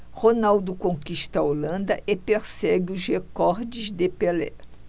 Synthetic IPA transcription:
honawd̪ʊkõkiʃt̪ɐolɐ̃nd̪ɐʔepeɾsɛɡɪʊzhekɔɾd͡ʒɪzd̪epelɛ̰

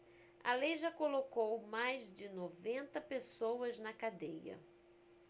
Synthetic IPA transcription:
ɐ̰lejʒakolokowmajzd͡ʒɪnovẽnt̪ɐpesowɐznɐkad̪ejɐ̰

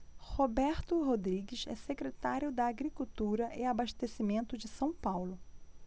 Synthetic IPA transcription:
hobɛɾt̪ʊɦod̪ɾiɡɪʃɛ̰sekɾet̪aɾjʊd̪ɐːɡɾikuwt̪uɾɐʔɪabaʃt̪esimẽnt̪ʊd͡ʒɪsɐ̃w̃pawlʊ

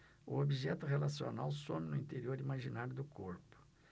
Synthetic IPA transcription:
ʊ̰obiʒɛt̪ʊɦelasio̰nawsõmɪnʊĩt̪eɾioɾimaʒinaɾjʊd̪ʊkʰoɾpʊ̥

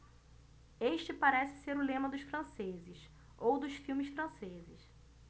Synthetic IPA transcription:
eʃt͡ʃɪpaɾɛsɪ̥seɾʊlẽmɐd̪ʊʃfɾɐ̃sezɪs | owd̪ʊʃfiwmɪsfɾɐ̃sezɪʃ

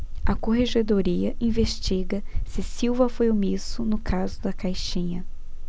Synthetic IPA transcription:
ɐkoɦeʒed̪oɾiɐʔĩveʃt͡ʃiɡɐsɪsiwvɐfojʊmisʊnʊkʰazʊd̪ɐkajʃĩɲɐ

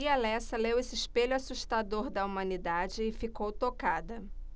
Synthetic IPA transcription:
ialɛsɐlewesɪʃpeʎʊasuʃt̪ad̪oɾd̪ɐumɐ̃nid̪ad͡ʒɪːfikowt̪okad̪ɐ

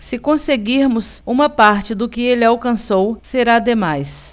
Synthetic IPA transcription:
sɪkõseɡiɾmʊsũmɐpaɾt͡ʃɪd̪ʊkɪelɪawkɐ̃sowseɾad̪emajs

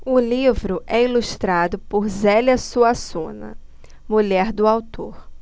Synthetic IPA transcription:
ʊlivɾʊʔɛiluʃt̪ɾad̪ʊpʊɾzɛlɐsuasũnɐ̰ | muʎɛɾd̪ʊawt̪ʰoɾ

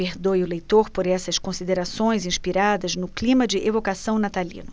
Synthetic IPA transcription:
peɾd̪ojʊlejt̪oɾpoɾɛsɐskõsid̪eɾasõj̃zĩspiɾad̪ɐznʊklĩmɐd͡ʒɪʔevokasɐ̃w̃nat̪alḭ̃nʊ

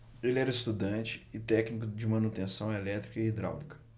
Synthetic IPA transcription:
elɪɛɾɐɪst̪ud̪ɐ̃t͡ʃɪ̥ɪt̪ɛknikʊd͡ʒɪmɐ̃nut̪ẽsɐ̃w̃ɛlɛt̪ɾikɐiːd̪ɾa̰wlikɐ̥

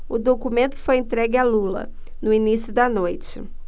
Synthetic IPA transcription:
ʊd̪okumẽnt̪ʊ̥fojẽnt̪ɾɛɡɪalulɐ̰ | nʊinisjʊd̪ɐnojt͡ʃɪ̰

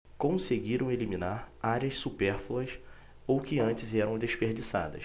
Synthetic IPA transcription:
kõseɡiɾɐ̃w̃eliminaɾaɾiɐssupɛɾfluɐs | owkɪɐ̃nt͡ʃɪzɛɾɐ̃w̃d̪eʃpeɾd͡ʒisa̰d̪ɐ̰ʃ

